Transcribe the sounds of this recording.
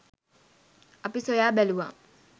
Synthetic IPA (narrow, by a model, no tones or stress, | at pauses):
apisojaːbɛluwa̰